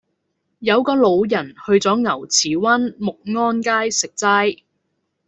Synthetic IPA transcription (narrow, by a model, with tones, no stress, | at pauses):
jɐ˨˧wkɔː˧lo˨˧wjɐ˨˩nhɵ˧ɥt͡sɔː˨˥ŋɐ˨˩wt͡sʰiː˨˩wɐ˥nmʊ˨k̚ŋɔː˥nkaː˥jsɪ˨k̚t͡sɐ˥j